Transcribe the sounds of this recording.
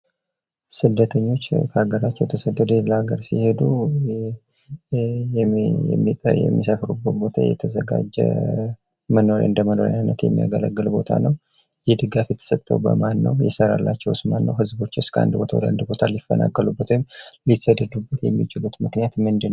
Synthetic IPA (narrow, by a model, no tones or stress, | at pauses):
sɨd̪ːət̪ʰəɲːo̞t͡ʃːkʰəaɡəɾat͡ʃːɛwt̪ʰəsəd̪ːəd̪eləaɡəɾsḭhe̞d̪u | jɛ̰mːit̪ʼəjɛ̰mːisəfɾubːəbo̞t̪ʰa̰jɛ̰t̪ʰəzəɡa̰d͡ʒɛ̰ | məno̞ɾ̰ʔɨnd̪əməno̞ɾa̰nːət̪jɛ̰mːija̰ɡələɡːɨlbo̞t̪ʰa̰nəw | jɪhd̪ɨɡafjɛt̪ʰə̥sət̪ʼːəwbə̰manːəwjɛsəɾalːat͡ʃːɛwsmanːə̰wɦɨzbo̞t͡ʃːɪskəʔa̰nd̪bo̞t̪ʰa̰wd̪əand̪bo̞t̪ʰalifːənʔa̰kʼːəlubːət̪ʰamlit̪səd̪ːəd̪ubːət̪jɛmːit͡ʃɪlut̪mɨknijat̪mɨnd̪ɨnw